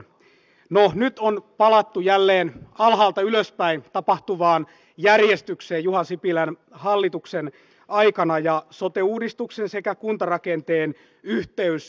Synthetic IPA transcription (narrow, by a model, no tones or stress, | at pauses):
nonyt̪onpɑlɑt̪ːujælːeːnɑlɦɑːlt̪ɑyløspæint̪ɑpɑht̪uʋɑːn | jærjest̪ykseːjjuɦɑsipilæn | hɑlːit̪uksen | ɑikɑnɑjɑsot̪euːdist̪uksensekækunt̪ɑrɑkent̪eːn | yht̪eys